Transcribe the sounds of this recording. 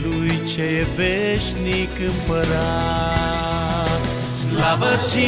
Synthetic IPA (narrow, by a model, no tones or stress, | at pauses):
lujt͡ʃejeveʃnikɨmpəɾa | slavət͡ʃi